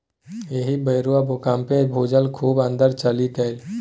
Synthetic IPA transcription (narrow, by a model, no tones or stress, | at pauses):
eɦibəɪɾuabokaːmpẽbʱoːd͡ʒəlkʰuːbə̃nd̪əɾt͡ʃəlit̪el